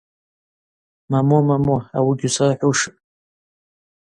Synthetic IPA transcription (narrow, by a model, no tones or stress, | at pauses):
mamomamoa̰wiɡʲusaraħʷuwʂɨ